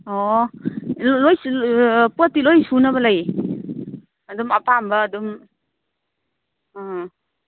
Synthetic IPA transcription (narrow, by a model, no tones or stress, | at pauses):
ɔ | loj | puatːilojsunɐbɐlaj | dumɐpambɐːdum